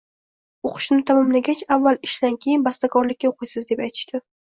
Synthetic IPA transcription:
oqʰɨ̥ʃnɪt̪ʰamɒmlaɡʲat͡ʃavːalɪʃd̪ankʲʰe̞jɪnbast̪akʰɒɾlɪkʲːaoqɨjsɪzd̪e̞pajt̪ʰɪ̥ʃt̪a

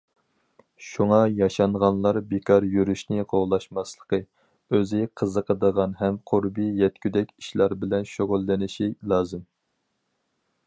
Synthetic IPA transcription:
ʃuŋɑjɑʃɑɴʁɑnlˠɑɾbekʰɑɾjyɾyʃnɪqʰoʁlˠɑʃmɑslˠəqə | øzɪqʰəzəqʰəd̪əʁɑnɦɛmqʰʊɾbijɛt̪̚kʲʰyd̪ɛkʲi̥ʃlˠɑɾbɪlɛnʃoʁʊlːɪnɪʃilˠɑːzɨm

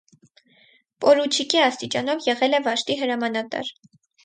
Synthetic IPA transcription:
pʼɔɾut͡ʃʰikiɑst̪it͡ʃɑnɔvjɛʁɛlɛvɑʃt̪iɦəɾɑmɑnɑt̪ɑ̰ɾ

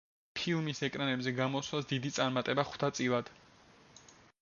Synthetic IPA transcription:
pʰilˠmisɛkʼɾanɛbzɛɡamɔswasd̪id̪it̪sʼaɾmat̪ʼɛbaχw̥t̪ʰat̪sʼilˠad̪̥

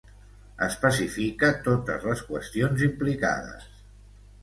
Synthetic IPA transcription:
əspəsifikət̪ot̪ə̰zləskwəst̪ionzimplika̰ðə̰s

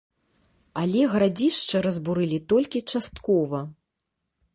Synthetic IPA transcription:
alʲɛɣɾad͡zʲiʂt͡ʂɐɾɐzbuɾɨlʲit̪ɔlʲkʲit͡ʂast̪kɔvɐ

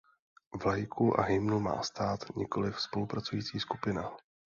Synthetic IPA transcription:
vlajkʰuʔa̰ɦɪjmnuma̰ːst̪aːt̪ɲɪko̞lɪfspo̞lupɾat͡sujiːt͡siːskupɪna

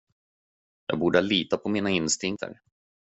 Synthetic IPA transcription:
jɑ̰ːɡbuːɖəaliːt̪apʰɔmiːnaɪnst̪ɪŋkt̪ʰə̰ɾ

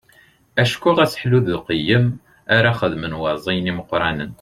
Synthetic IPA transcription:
æʃkʊʁæsħluðəlqəjːəm | aɾaχəðmənwɑzˤijniməqːɾˤɑnən

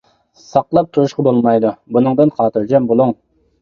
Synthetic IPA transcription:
sɑqlˠɑp̚t̪ʰuɾuʃqɑbolˠmɑjd̪ubunɨŋd̪ɨnχɑːt̪ʰɨɾd͡ʒɛmbolˠuŋ

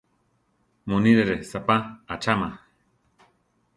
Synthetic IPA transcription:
muniɾeɾesapaat͡ʃama

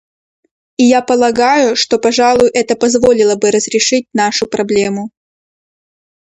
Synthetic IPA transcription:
ijapəlˠɐɡajʊʂt̪o̞pɐʐalˠʊjʊʔɛt̪əpɐzvo̞lʲɪlˠəbɨɾəzɾʲɪʂɨt̚ʲnaʂʊpɾɐblʲemʊ

